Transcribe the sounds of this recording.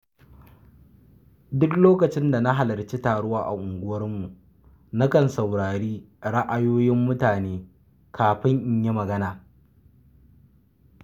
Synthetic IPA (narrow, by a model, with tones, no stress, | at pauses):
dʊ˦kloː˦kɐ˨t͡ʃɪ˦nda˨na˦ɦa˨lɐ˨rt͡ʃi˦taː˨ɽʊ˦waː˦ʔa̰˨ʔʊ˨ŋɡʷʊ˦wɐ˦rmu˨ʔ | na˦kɐ˨nsa˨wɽaː˨ɽiː˦ | ɽa˦ʔa˦joː˦jɪ˦mːʊ˦taː˨neː˦ | kʰaː˨ɸɪ˦ŋʔɪ˦ɲje˦mɐ˨ɡɐ˦naː˨